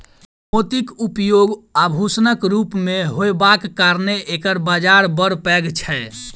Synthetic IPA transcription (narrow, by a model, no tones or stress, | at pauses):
mot̪ikupjoɡabʱusnəkɾupmeɦojbakːaɾneʔekəɾbad͡ʒaɾbəɾpɛɡt͡ʃʰɛ